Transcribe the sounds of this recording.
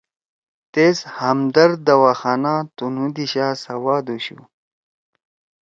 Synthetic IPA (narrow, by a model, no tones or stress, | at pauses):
t̪eːshɐmd̪ɐɾd̪ɐwaːxaːnaːt̪unũd̪iɕaːsɐwaːd̪uɕṵ